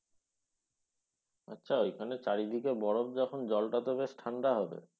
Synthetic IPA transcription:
a̰tːɕʰaojkʰanet͡ɕaɾid̪ʱikebɔɽob̚d͡ʑɔkʰond͡ʑɔlʈat̪obesʈʰaɳɖaɦɔbḛ

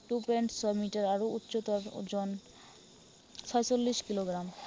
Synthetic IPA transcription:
ʈupeɳʈsɔmiʈaɾaɾout̪ːɕot̪ɔɾd͡ʑɔn | t͡ɕʰɔjet͡ɕolːiʃkiloɡɾam

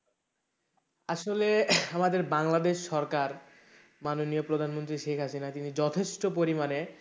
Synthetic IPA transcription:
aʃoleamad̪eɾbaŋlad̪eʃːɔɾkaɾ | manoniopɾod̪ʱanmont̪ɾiʃekʰɦasinat̪inid͡ʑɔt̪ʰeʃʈopoɾimane

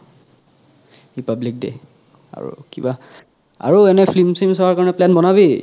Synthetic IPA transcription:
ɹipablik̚dɛ̰ | a̰ɹṵkiba | a̰ɹuɛnɛpʰlimsimsɔwaɹkaɹɔnɛplɛnbɔnaβi

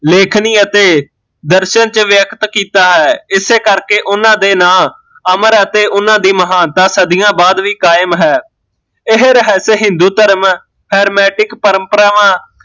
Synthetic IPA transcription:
leːkʰniːət̪eː | d̪əɾʃənt͡ʃʋjəkʰt̪kiːt̪aːɦɛːɪseːkəɾkeːʔʊnãːd̪eːnaː | əməɾət̪eːʔʊnãːd̪iːməɦaːnt̪aːsəd̪ijãːbaːd̪ʋiːkaːɪmɦɛː | ɪɦɾɦɛːseːɦɪnd̪uːt̪əɾəm | hɛːɾmɛːʈɪkpəɾə̃mpəɾaːʋãː

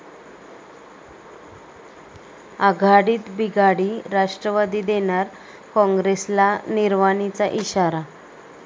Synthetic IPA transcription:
aɡʱaɽiːt̪biɡʱaɽiːɾaʂʈɾəʋad̪iːd̪eɳ̃aɾ | kɔ̃ŋɡɾeslaniɾmaɳit͡saʔiɕaɾa

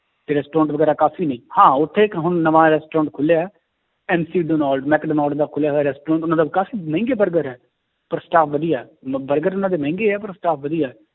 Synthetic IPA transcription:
t̪eːɾɛːsʈɾɔ̃ːɳʈʋəɡɛːɾaːkaːfʰiːnə̃ĩːhãːʊt̪ʰːeːkɦʊnnəʋãːɾɛːsʈɾɔ̃ːɳʈ̚kʰʊlja | ɛːmsiːɖoːnaːlɖmɛːkɖəːnɔːlɖd̪aːkʰʊljaːɦaːɾɛːsʈɾɔ̃ːɳʈʊnãːd̪aːkaːfiːmɛ̃ːŋɡeːbəɾɡəɾɛː | pəɾsʈaːpʰʋəd̪ijaːbəɾɡəɾʊnãːd̪eːmɛ̃ːŋɡeːɛːpəɾsʈaːpʰʋəd̪ijɛː

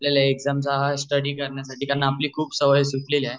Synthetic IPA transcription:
ljalaeɡzamsaɦasʈəɽiːkəɾɳjasaʈiːkaɾənːapliːkʰuːbsəʋəjsukleliae

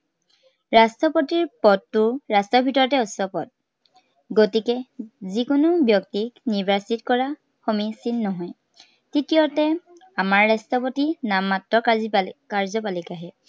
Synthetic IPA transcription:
ɹastɔpotiɹpɔtːʊɹastɔbʱitɔɹɔtɛɔsɔpɔt̚ | ɡotikɛzikʊnʊbjɔk̚tiknibʱasitkɔɹa | xɔmisinːɔɦɔj | titijɔtɛ | amaɹːastɔpotinamːatɹɔkkaɹzɔpalikaɦɛ

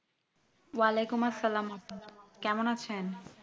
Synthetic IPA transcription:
walekumɐsːalaːmapkɛmonat͡ɕʰen

